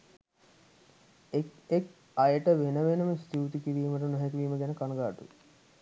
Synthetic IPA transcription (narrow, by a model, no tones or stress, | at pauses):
eek | ajəʈəʋenəʋenəməist̪iut̪ikiʋiːməʈənoɦɛkiʋiːməɡɛnəkanɐɡaːʈṵ